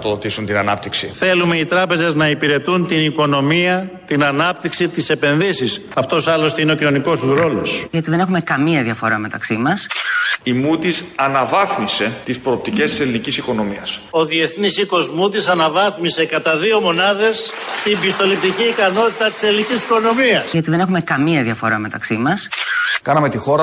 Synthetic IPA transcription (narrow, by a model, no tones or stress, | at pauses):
ɐt̪oðo̞t̪isunt̪inɐnɐp̚t̪iksḭθe̞lume̞it̪ɾɐpe̞ze̞znɐipiɾe̞t̪unt̪iniko̞no̞miɐt̪inɐnɐpt̪iksit̪ise̞pe̞nðisisɐft̪o̞sɐlo̞st̪ine̞o̞cino̞niko̞st̪uzɾo̞lo̞sjʝɐt̪iðe̞nexume̞kɐmiɐðiɐfo̞̰ɾɐme̞t̪ɐksimɐsimut̪isɐnɐvɐθmise̞t̪ispɾo̞ːp̚t̪ice̞st̪ise̞linicisiko̞no̞miɐ̰so̞ðie̞θnisiko̞zmut̪̬isɐnɐvɐθmise̞kɐt̪ɐðio̞mo̞nɐðe̞st̪imbist̪o̞lip̚t̪iciːkɐno̞t̪it̪ɐt̪i̥selinicisi̥ko̞no̞miɐsʝɐt̪iðene̞xume̞kɐmiɐðiɐfo̞ɾɐme̞t̪ɐksimɐskɐnɐme̞t̪ixo̞ɾɐ